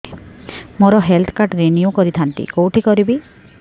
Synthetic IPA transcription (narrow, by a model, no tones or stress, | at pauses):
moɾɔɦelt̪ʰkaɾʈɾeniukɔɾit̪ʰant̪ḭkowʈʰikɔɾibi